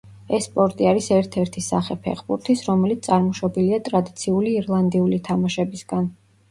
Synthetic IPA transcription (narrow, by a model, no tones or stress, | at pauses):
ɛsːpʼɔɾt̪ʼiaɾisɛɾt̪ʰɛɾt̪ʰisa̰χɛpʰɛ̰χbuɾt̪ʰisɾɔmɛlit̪sʼaɾmɔʃɛbiliat̪ʼɾad̪it̪sʰiuliːɾlˠand̪iulit̪ʰamaʃɛbisɡ̥an